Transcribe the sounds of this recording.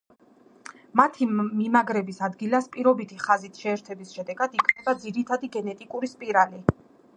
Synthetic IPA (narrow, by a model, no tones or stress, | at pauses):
mat̪ʰimimaɡɾɛbisad̪ɡilaspʼiɾɔbit̪ʰiχazit̪ʰʃɛːɾt̪ʰɛbisʃɛd̪ɛɡad̪ikʰnɛbad̪ziɾit̪ʰad̪iɡɛnɛt̪ʼikʼuɾispʼiɾali